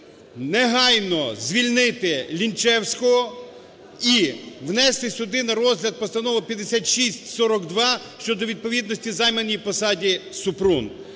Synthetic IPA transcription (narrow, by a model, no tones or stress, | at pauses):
neɦɑjnɔzʲʋʲilʲnɪt̪ɪlʲint͡ʃɛwsʲkɔɦɔ | iʋnɛst̪ɪsʲʊd̪ɪnɐɾɔzʲɦlʲɐd̪̚pɔst̪ɐnɔʋɐpʲjɐd̪esʲat̪ʃisʲtʲsɔɾɔkd̪ʋɑ | ʃt͡ʃɔd̪ɔʋʲid̪̚pɔʋʲid̪nɔsʲtʲizɑjmenijpɔsɑdʲisʊpɾun